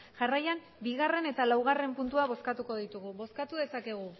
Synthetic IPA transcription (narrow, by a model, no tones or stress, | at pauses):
ʝarajan | biɣare̞ne̞t̪alawɣ̞are̞mpunt̪uaβ̞o̞skat̪uko̞ðit̪uɣuβo̞skat̪uðe̞sake̞ɣ̞u